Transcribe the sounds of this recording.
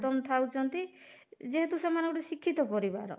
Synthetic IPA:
t̪ɔmɔt̪ʰawt͡ʃʰɔnt̪i | d͡ʒeɦet̪usemanɔŋkɔʈesikʰːit̪ɔpɔɾiba̰ɾɔ̰

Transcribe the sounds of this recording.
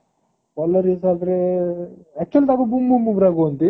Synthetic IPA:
ɔlːɐɾisaːd̪ɾe | ɛk̚t͡ʃuɐlit̪abɐbumbumbumbɾaːɡont̪i

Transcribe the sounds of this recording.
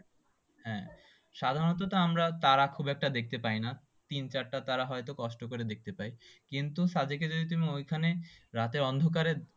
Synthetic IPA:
ɦɛ̃ | ʃad̪ʱaɾonot̪̬ot̪oamɾat̪aɾakʰubɛk̚ʈad̪ek̚t̪epajna | t̪int͡ɕaɾʈat̪aɾaɦɔet̪okɔʃʈokoɾed̪ek̚t̪epajkint̪uʃad͡ʑeked͡ʑod̪it̪̬umiojkʰaneɾat̪eɾɔnd̪ʱok̬aɾe

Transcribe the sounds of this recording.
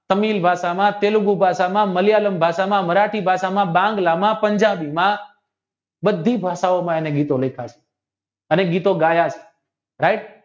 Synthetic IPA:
t̪əmilbʱaʃamãt̪eluɡubʱaʃamãməljaləmbʱaʃamãməɾaʈʰibʱaʃamãbãŋɡlamãpəɲd͡ʒabimã | bəd̪ʱːibʱaʃaomãeneɡit̪olekʰat͡ʃʰe̥ | əneɡit̪oɡajat͡ʃʰe̥ | ɾaɪʈ̚

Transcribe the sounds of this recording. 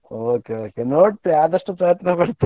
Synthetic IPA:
oːkeokenoːʈ̚t̪eaːd̪ɐʂʈopɾɐjət̪napɐɽt̪

